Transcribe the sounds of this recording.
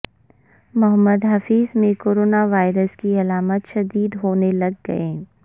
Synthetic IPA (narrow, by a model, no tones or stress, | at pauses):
mɐɦəmːəd̪ɦɐfiːzmẽkoːɾoːnaʋaːɪɾəskiɐlaːmət̪ʃɐd̪iːd̪ɦoːnelɐɡːɐ̰ẽː